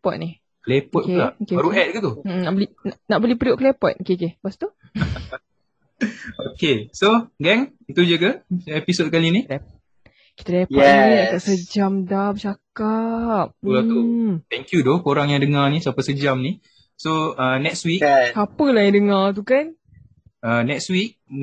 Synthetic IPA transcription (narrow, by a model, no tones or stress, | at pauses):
pɔt̪̚nih | klepɔt̪k̚eplaʔokeɾuɛt̪̚kət̪uʔm̩naʔbəlinanaʔbəlipɾioʔklepɔt̪̚okekebast̪u | okesoɡɛŋ | it̪ud͡ʒəkəepisot̚kalini | ki̥t̪əlɛpɔniaʔkaʔsəd͡ʒamdahbət͡ʃakap̚ulaut̪ɛŋkjudokoɾaŋjaŋdəŋanisapəsəd͡ʒamni | soənɛkswiksapəlahjãŋdəŋat̪̬ukan | ənɛkswik̚